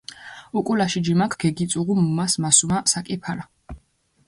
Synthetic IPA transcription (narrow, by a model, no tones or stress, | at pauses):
ukʼulaʃid͡ʒimakʰɡ̥ɛɡit̪sʼuʁumumasmasumasakʼipʰaɾa